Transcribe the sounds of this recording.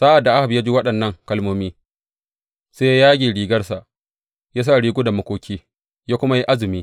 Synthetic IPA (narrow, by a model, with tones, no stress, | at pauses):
saː˦ʔa˨dːa˨ʔa˦ha˨bja˦d͡ʒi˦wɐ˦ɗɐ˨nːɐ˦ŋkɐ˦lmoː˦miː˦ | seː˦ja˦jaː˦ɡʲiː˨ɽiː˨ɡɐ˦rsa˨ʔ | jaː˦s̬a˦˨ɽiː˦ɡʷu˦da˨mɐ˦kʷoː˦kʲiː˦ | jaː˦kʷʊ˦ma˦ji˦ʔa˦zɪ˨miː˦